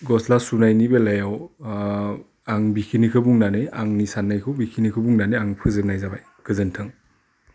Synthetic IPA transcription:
ɡɔslasunajnibelajaw | aŋbikʰinikʰɯbuŋnaneaŋnisanːajkʰɯwbikʰinikʰɯbuŋnaneaŋpʰɯzɯp̚najzabaj | kʰɯzɯntʰɯŋ

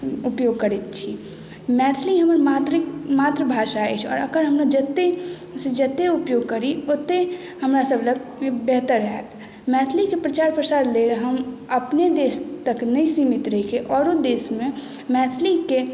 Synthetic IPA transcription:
ʊpjoːɡ̚kəɾit̪̚t͡ʃʰi | mɛːt̪ʰliɦəmɾmaːt̪ɾəmaːt̪ɾəbʱaːʃaḛt͡ʃʰɔ̰ːɾɐkəɾɦəmnod͡ʒət̪e | sed͡ʒət̪eʊpjoːɡ̚kəɾiot̪e | həmɾasəbləɡbɛɦt̪əɾːɛt̪ʰ | mɛːt̪ʰlikepɾət͡ʃaːɾpɾəsaːɾleːɾɦəməpned̪eːst̪əknəĩsiːmɪt̪ɾəikʰeʔɔːɾod̪eːsmẽ | mɛːt̪ʰlike

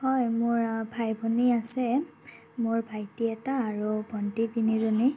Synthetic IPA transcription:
hɔjmʊɹbʱajbʱɔniasɛ | mʊɹbʱajtiɛtaːɹubʱɔntidinizɔni

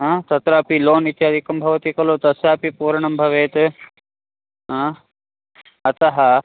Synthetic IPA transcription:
ɦãt̪ɐt̪ɾaːpiloːnit̪jaːd̪ʱikɐmbʱɐʋɐt̪ikɐlot̪ɐsjaːpipuːɾɐɳɐmbʱɐʋeːt̪ | ɦə̃ː | ɐt̪ɐɦɐ

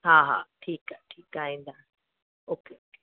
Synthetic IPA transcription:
haːɦa̰ʈʰiːkaʈʰiːkaĩnd̪a | oːkeke̥

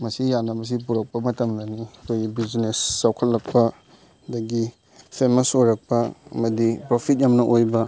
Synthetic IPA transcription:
mɐsijanɐbɐs̬ipuɾɐk̚pɐmɐtɐmnɐnikʰojɡibiznesːawkʰɐtlːɐk̚pɐ | dɐɡi | pʰemɐsoɾɐk̚pɐɐ̰mɐdipɾopʰit̚jɐmnɐʔojbɐ

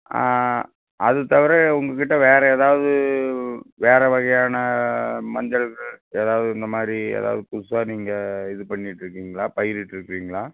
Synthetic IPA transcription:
a̰ | ʔɐðɯt̪ːɐʋɐɾɛʊŋɡɐk̬ɪʈːɐʋeːɾɛeːðaːʋɐðɯ | ʋeːɾɛʋɐɣɐjaːnɐmɐnd̪ɐɭɣɐɭeːðaːʋɐðɯɪnd̪ɐmaːd̪ɾiḛːða̰ːʋɐðɯpʊsaːniːŋɡɐɪðɯpɐɳːɪʈːɪɾɯkːiːŋɡɐɭaːpɐjɪɾɪʈːɪɾɯkːɾiːŋɡɐɭaː

